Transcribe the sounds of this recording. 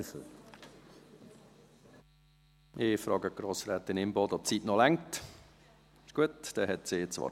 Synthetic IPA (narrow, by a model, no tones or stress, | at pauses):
f | mʔɪfɾɑːɡəɡ̥ɾoːsɾæːt̪ɪnɪmbɔd̪ɔp̚t͡sitnɔlæŋt | ɪʃɡ̥uətd̪̥ɛɦɛtsiɪt͡sʋɑ̰ː